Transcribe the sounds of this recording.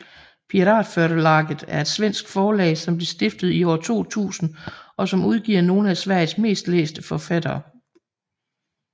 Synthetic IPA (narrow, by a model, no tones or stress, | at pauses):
pʰiʁɑ̰̈ːd̥føɐɾ̥əlɑ̈ɡ̥ð̩ˠæɐe̝d̥sʋen̰sɡ̥fɒːlɛ̰ːɪsɒ̽mb̥le̝sd̥e̝fd̥ð̞̩ˠiɒ̰ːt͡sʰo̝̰ːt͡sʰṵːsn̩ʔɒ̽sɒ̽muð̞ˠɡ̥iɐ̰no̝ːn̩æsʋæɐ̰jsme̝̰ːsd̥lḛːsd̥əfɒfæd̥ɐː